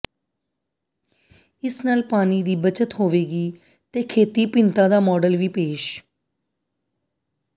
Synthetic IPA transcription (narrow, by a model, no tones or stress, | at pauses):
ɪsnaːlpaːniːd̪iːbət͡ʃət̪ɦoːʋeːɡiː | t̪eːkʰeːt̪iːpɪnt̪ãːd̪aːmɔːɖəlʋiːpeːʃ